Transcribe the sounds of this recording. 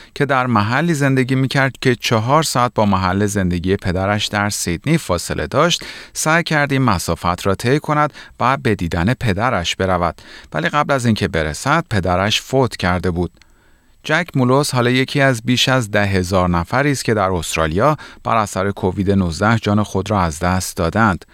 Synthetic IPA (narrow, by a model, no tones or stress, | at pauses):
cʰe̞d̪æɾmæɦælːiːze̞nd̪e̞ɟiːmiːcʰæɾd̪̥cʲʰe̞t͡ʃʰɒɦɒːɾsɒæt̪̚bɒːmæɦælːe̞ze̞nd̪e̞ɟiːje̞pʰe̞d̪æɾæʃd̪æɾsid̪̥niːfɒːse̞̰lʔe̞̰d̪ɒːʃt̪sæjcʰæɾd̪iːmæsɒːfæt̪ʰɾɒːt̪ʰe̞jkʰo̞næd̪̥væbe̞d̪iːd̪æne̞pʰe̞d̪æɾæʃb̥e̞ɾævæ̰d̪̥væ̰liːɣæblæziːncʰe̞be̞ɾesæd̪̥̚pʰe̞d̪æɾæʃfot̪ʰcʰæɾd̪e̞buːd̪̥ | d͡ʒæcʰmulo̞shɒːlɒːje̞cʰiːæzbiːʃæzd̪æɦe̞zɒːɾnæfæɾiːst̪cʰe̞d̪æɾo̞st̪ɾɒ̰ːlijɒːb̥æ̰ɾæsæɾe̞kʰoviːd̪e̞nuzd̪æhd͡ʒɒːnexo̞d̪ɾɒːæzd̪æst̪̚d̪ɒːd̪ænd̪̥